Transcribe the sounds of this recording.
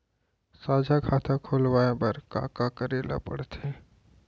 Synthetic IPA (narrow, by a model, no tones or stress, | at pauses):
saːd͡ʒʱakʰaːt̪ʰakʰoːlwaːebəɾka̰ːkakəɾeːla̰pɐɽt̪e